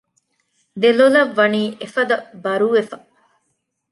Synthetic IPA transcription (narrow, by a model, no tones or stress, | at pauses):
d̪elolɐʋːɐniːʔefɐd̪ɐbɐɾuʋefɐ̥